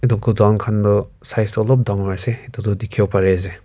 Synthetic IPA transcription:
idɔk̚dɔdaŋkʰanbɯsajstɔlɔp̚daŋaseidɔdɔdikʰewpʰaɾeze

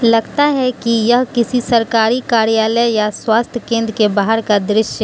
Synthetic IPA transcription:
lɐɡt̪aɦɛkijɐɦkɪsisɐɾkaːɾikaːɾijaːləjaswaːst̪ʰjəkẽːnd̪ɾkebaːɦəɾkad̪ɾɪʃj

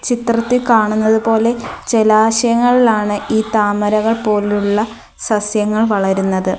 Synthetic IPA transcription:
t͡ɕit̪rɐt̪ːilkaːɳunːɐðupo̞ːle̞t͡ɕelaːɕɐjɐŋːɐɭilaːɳɨʔiːt̪aːmɐɾɐɣɐɭpo̞ːluɭːɐ | sɐsjɐŋːɐɭʋɐɭɐɾunːɐðɨ

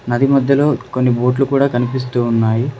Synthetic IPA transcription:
nɐd̪imɐd̪ʱjɐlo̞ːko̞nːibo̞ːʈlukuːɽaːkɐnipis̬t̪uːnːaːji

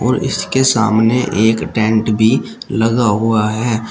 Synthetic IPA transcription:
ɔ̰ːɾɪ̰skesa̰ːmneʔeːkʈɛ̃ːɳʈbʱiləɡaɦʊaɦɛː

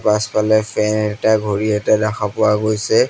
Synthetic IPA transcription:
paspalɛpʰɛnɛtaɡʱoɹiɛtadaxʰapʊwaɡojsɛ

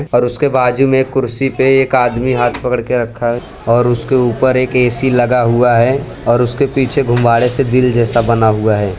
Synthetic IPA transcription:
ɔːɾʊskebaːd͡ʒumẽːkːʊɾsipeeːkaːd̪miɦaːt̪ʰpɐkəɽkeɾɐkʰːaɦɛ | ɔːɾʊskeuːpəɾeːkeːsilɐɡaɦuaɦɛ | ɔːɾʊskepiːt͡ʃʰeɡʱʊ̃mbaːɽesed̪ɪld͡ʒɛːsabɐnaɦuaɦɛː

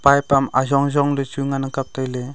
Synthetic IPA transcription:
pajpama̰zɔŋzɔŋlɯt͡ʃujŋanakap̚tajle

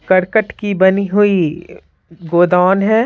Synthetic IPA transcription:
kɐɾkəʈkibɐniɦʊi | ɡoːd̪aːnɦɛ̃ː

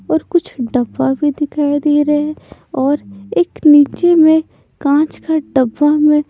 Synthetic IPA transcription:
ɔːɾkʊt͡ʃʰɖɐbːabʱid̪ɪkʰaːid̪eːɾɐɛɔːɾeːkniːt͡ʃemẽ | kãːt͡ʃkaɖɐbːamẽ

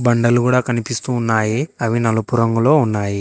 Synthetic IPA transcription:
bɐɳɖɐluɡuːɽaːkɐnipist̪uːnːaːjiɐʋinɐlupuɾɐŋɡulo̞ːunːaːji

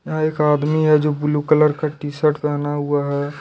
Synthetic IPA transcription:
jɐɦãeːkaːd̪miɦɛd͡ʒoːbʊlukələɾkaʈiːsəʈpɛɦnaɦuaɦɛː

